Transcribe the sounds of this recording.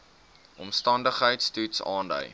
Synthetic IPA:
ʔɔmstɐndəχɦəjtstutsɑːndə̰j

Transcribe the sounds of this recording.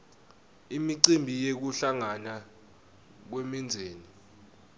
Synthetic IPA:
imiǀimbʱijek̬uɬaŋana | k̬wemind͡zʱeːni

